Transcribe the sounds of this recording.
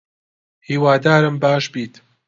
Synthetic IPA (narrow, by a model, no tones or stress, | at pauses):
hiːwaːd̪aːɾɨmbaːʃbiːt̪